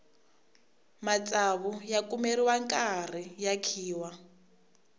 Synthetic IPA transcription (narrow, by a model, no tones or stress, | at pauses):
mat͡sʼaβujakʼumeriwaŋkʼar̤ijakʰiːwa